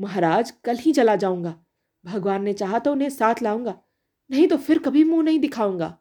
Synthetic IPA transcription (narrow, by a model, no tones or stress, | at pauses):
mɐɦɾaːd͡ʒkɐlɦĩt͡ʃɐlad͡ʒaːũːŋɡaː | bʱɐɡʋaːnmet͡ɕaːɦat̪ɐʊnɦẽsaːt̪ʰlaːũːŋɡaː | nɐɦĩt̪ofʰɪɾkɐbʱimũnɐɦĩd̪ɪkʰaːũːŋɡa̰ː